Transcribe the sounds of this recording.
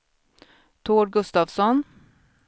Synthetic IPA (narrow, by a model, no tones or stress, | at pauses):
t̪ʰoːɾɡɵst̪ɑːvsɔn